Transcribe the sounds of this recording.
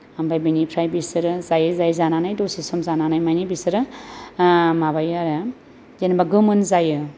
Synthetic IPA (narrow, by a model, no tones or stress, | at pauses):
ambajbinipʰɾajbisɯɾɯzajɯzajzananajdosisɔmzananajmajnibisɯɾɯ | mabajaɾɯ | zenbaɡɯmɯnzajɯ